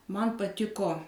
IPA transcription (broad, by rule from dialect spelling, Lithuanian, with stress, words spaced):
ˈmɐn pɐˈtʲɪkoː